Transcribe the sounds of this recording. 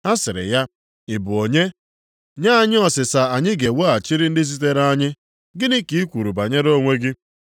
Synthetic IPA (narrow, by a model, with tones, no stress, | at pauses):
a˦sɪ˨ɾɪ̰˨ja˦ | ɪ˨bʊ˨o˨ɲe˦ | ɲa˦a˨ɲɪ˦ɔ˨sɪ˨sa˨a˨ɲɪ˦ɡe˨wo˦a˨t͡ʃi˦ɾɪ˦n̩˦dɪ˦z̬i˦t̬e˦ɾa˦ɲɪ˦ | ɡɪ˦nɪ˦ki˦i˦kʷu˨ɾu˨ba˨ɲe˦ɾo˦ŋʷe˦ɡɪ˦